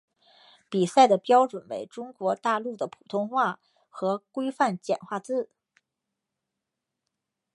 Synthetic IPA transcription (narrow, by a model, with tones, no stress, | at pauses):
pi˨˩sa˥˩ɪd̪ə˩pjɑ˥ʊʈ͡ʂwə˨˩nwḛ˧˥ɪʈ͡ʂʊ˥ŋkwɔ˧˥t̪a˥˧lu˥˩d̪ə˩pʰu˨˩t̪ʰʊ˥ŋxwa˥˩ | xɤ˧˥kwe˥ɪfa˥˩nt͡ɕjɛ˨˩nxwa˥˧t͡sɹ̩˥˩